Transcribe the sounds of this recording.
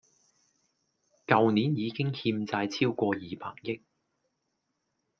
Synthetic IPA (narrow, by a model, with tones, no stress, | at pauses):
kɐ˨wni˨˥njiː˨˧kɪ˥ŋhiː˧mt͡saː˧jt͡sʰiː˥wkʷɔː˧jiː˨pʰa̰ː˨˩ŋjɪ˥k̚